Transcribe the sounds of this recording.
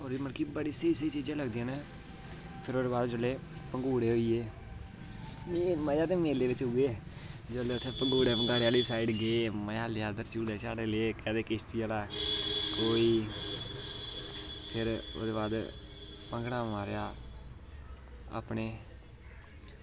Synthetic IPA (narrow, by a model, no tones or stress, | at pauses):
oːɾiːməlkiːbəɽiːsəiːsiːt͡ʃiːd͡ʒãːləɡd̪iãːnẽː | pʰɪɾoːd̪eːbaːd̪d͡ʒəlːeː | pəŋɡuːɽeːɦoːiːeː | məjaːt̪eːmeːleːʋɪt͡ʃʊɡeːd͡ʒəleːʊt̪ʰːeːpəŋɡuːɽeːpəŋɡaːɽejaːliːsaːiɖɡeːməjaːleaːd̪əɾt͡ʃuːleːt͡ʃaːɽeːleːkɛ̃ːd̪eːkɪst̪ijalaːkoːiː | pʰɪɾo̰ːd̪eːbaːd̪ | pəŋɡɽãːmaːɾjaː | a̰ːpneː